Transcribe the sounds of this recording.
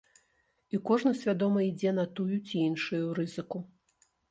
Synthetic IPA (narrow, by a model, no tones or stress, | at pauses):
ikɔʐnɐsʲvʲad̪ɔmɐid͡zʲɛnɐt̪ujut͡sʲiinʂujuɾɨzɨku